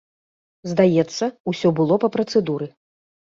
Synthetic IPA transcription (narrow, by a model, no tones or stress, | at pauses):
zd̪ajɛt̪sːɐusʲɔbɨlˠɔpɐpɾɐt̪sɛd̪uɾɨ